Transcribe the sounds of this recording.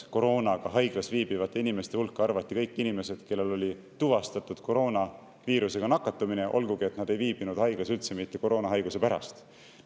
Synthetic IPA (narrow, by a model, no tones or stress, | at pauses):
ko̞ɾo̞ːnɑɡ̥ɑɦɑjɡ̥lɑsviːb̥ivɑt̪ːe̞inime̞st̪eulkːˑɑrvɑt̪ʲːˑikɤjkˑːinime̞se̞d̪̥ke̞lːe̞lo̞lʲi | t̪uvɑst̪ɑt̪ːˑud̪̥ko̞ɾo̞ːnɑ | viːɾuse̞ɡ̥ɑnɑkːˑɑt̪ːˑumineʔo̞̰lɡ̥uɡie̞t̪nɑd̪̥e̞jviːb̥inud̪̥hɑjɡ̥lɑsylt̪se̞mit̪ːe̞ko̞ɾo̞ːnɑɦɑjɡ̥use̞pæɾɑ̰st̪